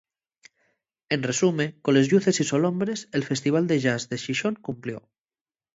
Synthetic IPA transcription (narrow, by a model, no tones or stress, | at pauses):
enresumekolezʎuθe̞sisolõmbɾeselfe̞st̪iβ̞ald̪eʒazðeʃiʃoŋkumpljo